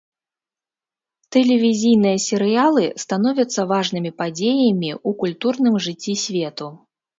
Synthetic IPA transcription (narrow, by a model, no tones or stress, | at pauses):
t̪ɛlʲɛvʲizʲijnɨjɐsʲɛɾɨjalˠɨst̪anɔvʲɐt̪sːɐvaʐnɨmʲipad͡zʲejɐmʲiukulʲt̪urnɨmʐɨt͡sʲːisʲvʲet̪u